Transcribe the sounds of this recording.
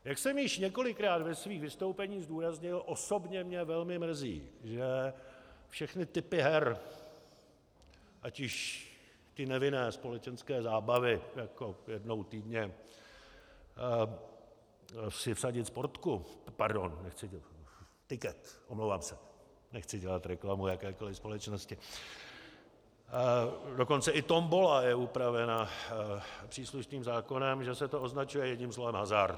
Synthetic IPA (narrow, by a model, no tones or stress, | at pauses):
jaksɛmjɪʃɲɛko̞lɪkɾaːt̪vɛsviːxvɪst̪owpɛɲiːzduːɾazɲɪlʔo̞so̞bɲɛmɲɛvɛlmɪmr̩zḭːʒɛ | fʃɛxnɪt̪ɪpɪɦɛɾ | ʔacɪʃ | t̪ɪnɛvɪnɛːspo̞lɛt͡ʃɛnskɛːzaːbavɪjako̞jɛdno̞wt̪iːdɲɛ | sɪfsaɟɪt̪spoɾt̪kupaɾdo̞nːɛxt͡sɪ | t̪ɪkɛt̪ʔomlowvaːmsɛ | nɛxt͡sɪɟɛlat̪ɾɛklamujakɛːko̞lɪfspo̞lɛt͡ʃnoscɪ | do̞ko̞nt͡sɛʔɪt̪o̞mbolajɛupɾavɛna | pr̥iːsluʃniːmzaːko̞nɛmʒɛsɛt̪oʔo̞znat͡ʃujɛjɛɲiːmslo̞vɛmɦazaɾ